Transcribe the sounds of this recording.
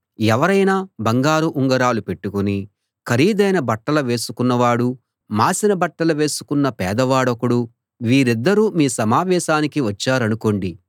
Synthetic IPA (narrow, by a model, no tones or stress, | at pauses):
ɛʋɐɾɐjnaːbɐŋɡaːɾuʔuŋɡɐɾaːlupe̞ʈːukuni | kʰɐɾiːd̪ɐjnɐbɐʈːɐlɐʋe̞ːsukunːɐʋaːɽu | maːsinɐbɐʈːɐlɐʋe̞ːsu̥kunːɐpɛːd̪ɐʋaːɽɐkuɽu | ʋiːɾid̪ːɐɾuːmiːsɐmaːʋɛːʃaːnikiʋɐt͡ʃːaːɾɐnuko̞ɳɖi